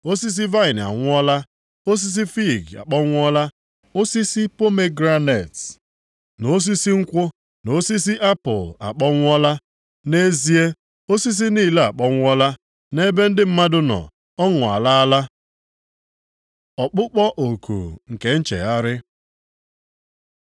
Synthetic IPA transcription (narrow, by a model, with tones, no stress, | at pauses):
o˦si˦s̬i˦va˦ɪ˨n˨a̰˨ŋʷʊ˦ɔ˦la˦ | o˦s̬i˦s̬i˦fi˦˨ɡa̰˨k͡pɔ˦ŋʷ˦ɔ˦la˦ | o˦si˦si˦po˦me˦ɡɾa˦ne˨t | no˦s̬i˦si˦ŋ̩˦kʷʊ˦ | no˦si˦s̬i˦ʔa˦pʊ̰˨la̰˨k͡pɔ˦ŋʷ˦ɔ˦la˦ | ne˦zi˦e˦ | o˦si˦s̬i˦niː˦˨le˦a˨k͡pɔ˦ŋʷ˦ɔ˦la˦ | ne˦be˦n̩˦dɪ˦m̩˦ma˦dʊ˦nɔ̰˨ | ɔ˦ŋʊ˨a̰˨la˦a˦la˦ | ɔ˨k͡pʊ˦k͡pɔ˦ʔo˨kṵ˨ŋ̩˨ke˦n̩˦t͡ʃḛ˨a˦ɾɪ˦